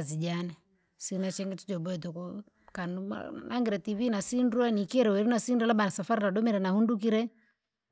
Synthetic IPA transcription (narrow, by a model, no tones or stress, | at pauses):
zid͡ʒanɛ | sinat͡ʃɛŋɡɛt͡ʃid͡ʒɔbɔɛt̪ɔkɔ | kan̰nʔa̰ŋɡɛɾɛtivinasinduanikiɛɾɛwɛɾinasindalaɓanasafaɾinaɗɔmɛɾɛnahundukiɾɛ